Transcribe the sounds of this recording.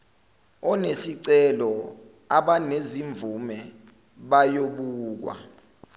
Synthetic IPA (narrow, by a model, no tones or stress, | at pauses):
ɔnesiǀɛlɔ | aɓaneziɱb̪vumɛ | ɓajoɓuːk̬wa̰